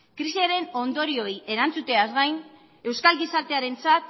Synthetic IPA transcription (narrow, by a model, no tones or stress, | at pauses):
kɾisiaɾe̞no̞nd̪o̞ɾio̞ie̞ɾant͡sut̪e̞azɣajn | e̞wskalɡisaɾt̪e̞aɾe̞nt͡sat̪̚